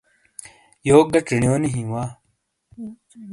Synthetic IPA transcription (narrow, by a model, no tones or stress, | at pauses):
joːɡɐʈ͡ʂiɳjoːniɦĩwaː